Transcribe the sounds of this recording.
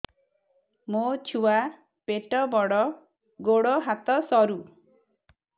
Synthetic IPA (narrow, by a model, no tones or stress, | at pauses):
mot͡ʃʰuwa | peʈɔbɔɽɔ | ɡoɽɔɦat̪ɔsɔɾu